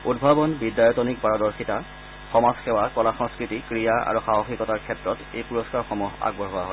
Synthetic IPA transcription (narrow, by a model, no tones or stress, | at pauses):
udbʱabɔnbidjajɔtɔnikpaɹɔdɔɹxita | xɔmazxɛwakɔlaxɔŋskɹitikɹijaa̰ɹuxaɦɔxikɔtaɹkʰɛtɹɔtḛjpuɹɔskaɹxɔmuɦa̰ɡbɔɦowaɦɔ